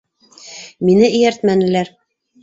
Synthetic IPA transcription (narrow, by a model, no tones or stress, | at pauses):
minɘʔɘ̆jæɾt̪mænɘ̆læɾ